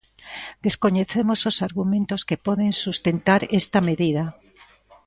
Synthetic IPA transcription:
d̪eskoɲeθemososaɾɣumẽnt̪oskepɔðensust̪ent̪aɾest̪ɐmeðiðɐ

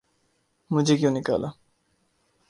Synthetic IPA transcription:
mʊd͡ʑʱek̬jõːnɪka̰ːla

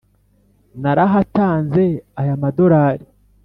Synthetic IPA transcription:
naɾaɦataːnze̞ajamado̞ɾaːɾi

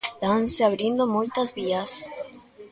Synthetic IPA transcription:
st̪anseaβɾind̪omojt̪azβias

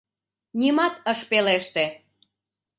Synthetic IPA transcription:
nʲimɑt̪əʃpeleʃt̪e

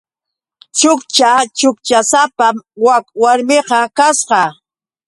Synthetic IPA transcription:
t͡ʃʊkt͡ʃat͡ʃʊkt͡ʃasapawakwaɾmɪqɑkasqɑ

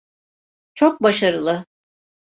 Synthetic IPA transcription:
t͡ʃʰok̚baʃaɾɯlˠɯ

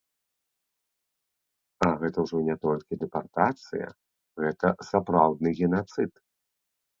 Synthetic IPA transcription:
ɐɣɛt̪ɐwʐɔnʲɛt̪ɔlʲkʲid̪ɛpart̪at̪sɨ̰jɐ̰ | ɣɛt̪ɐsapɾawd̪̚nɨɣʲɛnat̪sɨt̪

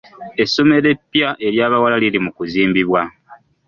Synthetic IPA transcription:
e̞so̞me̞ɾe̞pːjaʔe̞ɾjaːβawalalilimukuziːmbiβwa

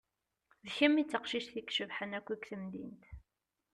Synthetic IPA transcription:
ðçəmːit͡sːəqʃiʃθikʃəvħənækʷːikθəmd̪ḭnt̪

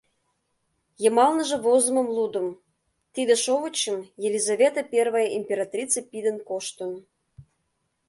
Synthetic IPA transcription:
jə̆mɑlnəʒɤ̆βozə̆mə̆mlˠud̪ə̆m | t̪id̪ĕʃoβət͡ɕːə̆mjelʲizavʲet̪əpʲervəjʔimʲpʲeɾɑt̪rʲit͡sepʲid̪ə̆nkoʃt̪ə̆n

